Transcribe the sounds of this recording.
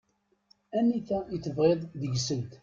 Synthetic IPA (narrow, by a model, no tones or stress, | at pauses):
ænːiθæət͡sːəvʁeðˤðəʝsəlt̪